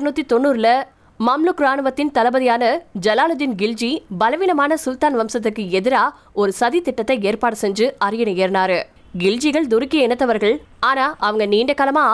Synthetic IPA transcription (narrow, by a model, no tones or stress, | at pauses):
ɾnuːt̪ːit̪ɔnːuːɾɪlɐ | mɐmlʊkɾaːnɯʋɐt̪ːɪnt̪ɐlɐbɐðɪjaːnɐd͡ʒɐlaːlɯd̪ɪnɡɪld͡ʒibɐlɐʋɪnɐmaːnɐsʊlt̪aːnʋɐmsɐt̪̬ːɯkːɯɛðɪɾaː | ɔɾɯsɐðit̪ɪʈːɐt̪ːɐeːɾpaːɽɯsɛɲd͡ʒɯʔɐɾɪjɐnɐjeːɾnaːɾɯ | ɡɪld͡ʒiɣɐɭd̪ʊɾɪkːɪjɐɪnɐt̪ːɐʋɐɾɣɐɭaːnaːʔɐʋɐŋɡɐniːɳɖɐkːaːlɐmaː